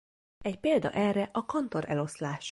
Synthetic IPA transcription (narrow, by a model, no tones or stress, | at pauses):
ɛcpeːld̪ɒ̰ʔɛrɛʔɒkɒnt̪o̞ɾɛ̰lo̞slaːʃ